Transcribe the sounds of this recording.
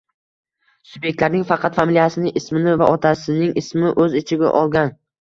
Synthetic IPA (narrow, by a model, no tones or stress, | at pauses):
subje̞k̚ʲt̪laɾnɪŋfɑqʰɑt̪familijasɪnɪʔɪsmɪnɪva̰ʔɒt̪ʰasɪnɪŋʔɪsmɪʔɵzɪt͡ʃʰɪɡʲa̰ʔɒlˠɡʲan